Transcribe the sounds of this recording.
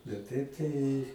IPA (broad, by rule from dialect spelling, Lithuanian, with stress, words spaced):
bʲɛt ˈtɐɪp tɐɪ